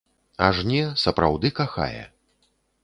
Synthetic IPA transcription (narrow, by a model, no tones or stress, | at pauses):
aʐnʲɛsɐpɾawd̪ɨkaxa̰jɛ̰